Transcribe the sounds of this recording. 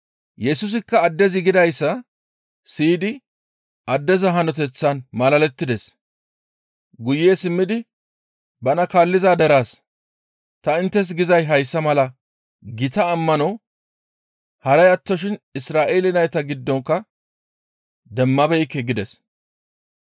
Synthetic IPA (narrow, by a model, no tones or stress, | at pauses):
jɛsʊs̬ɪkːɐːd̪ːɛzɪɡɪd̪ɐjsːɐ | siːd̪ɪ | ʔɐd̪ːɛzɐɦɐnɔt̪ɛt͡sːɐnmɐlɐlɛt̪ːɪd̪ɛs | ɡʊjːeːsɪmːɪd̪ɪ | bɐnɐkaːlːɪzaːd̪ɛɾaːs | t̪ɐɪnt̪ːɛs̬ɡɪzɐjɦɐjsːɐmɐlɐ | ɡɪt̪ɐːmːɐnɔ | hɐɾɐjɐt̪ːɔʃɪnɪsɾaːʔeːlɪnɐjt̪ɐɡɪd̪ːɔŋkːɐ | d̪ɛmːɐbɛjkːɛɡɪd̪ɛs